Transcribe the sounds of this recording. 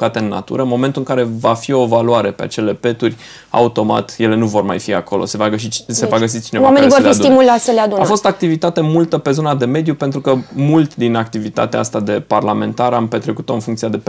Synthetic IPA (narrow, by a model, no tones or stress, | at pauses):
kat̪e̞ɨnːa̰t̪ṵɾəɨnmo̞ment̪uɨŋkaɾe̞vafio̞valuaɾe̞pe̞a̰t͡ʃe̞le̞pe̞t̪urʲ | a̰ut̪o̞ma̰t̪je̞le̞nuvo̞rma̰jfia̰ko̞lo̞̰se̞vaɡəs̬it͡ʃse̞vaɡəs̬it͡ʃinewaamenivoɾfisd̪imulat̪səlead̪unafo̞st̪ak̚t̪ivit̪at̪e̞mult̪əpe̞zo̞nad̪e̞me̞d̪jupe̞nt̪ɾukəmult̪d̪inakt̪ivit̪a̰t̪ea̰a̰st̪ad̪e̞parlame̞̰nt̪aɾampe̞t̪ɾe̞kut̪o̞ɨnfuŋkt̪iad̪e̞